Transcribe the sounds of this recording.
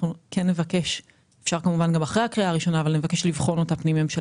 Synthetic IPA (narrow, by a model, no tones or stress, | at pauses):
ukʰenːe̞vake̞ʃ | efʃaʁkamuvanɡamaχʁejakʁiaːʁiʃo̞naːvalne̞vake̞ʃlivχo̞not̪apnimemʃe